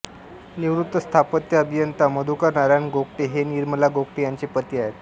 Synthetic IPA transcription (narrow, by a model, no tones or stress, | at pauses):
niʋɾut̪ːəst̪ʰapət̪jəəbʱijənt̪aməd̪ʱukəɾɳaɾjanɡokʈiɦeniːɾməlaɡokʈijaɲt͡ɕipət̪iaɦet̪